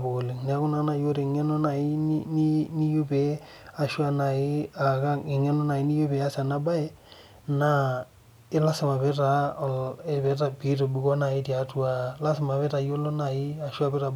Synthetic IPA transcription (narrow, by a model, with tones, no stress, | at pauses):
bo˨le˨ŋna˦kʊ˦na˦na˨jo˦ɾe˨ŋɛ˦no˦na˨ɪ˦nni˦ni˦jo˦pe˨ | a˨ʃwa˦na˨ɪ˦a˨ka˦ɪ˨ŋɛ˦nɔ˦na˨ɪ˦ni˦jo˦pɛ˨a˦sa˨na˦ba˦ɛ˦ | na˦ | ɪ˦la˦sɪ˨ma˨βe˦ɾa˨ɔ˨le˦bɛ˦ta˨pi˦to˨bu˨kɔ˦na˨ɪ˦ta˦tu˦a˨la˦sɪ˨ma˨βɛ˦ɾa˨jo˦lo˦na˨ɪ˦a˨ʃa˦bɪ˦ɾa˨b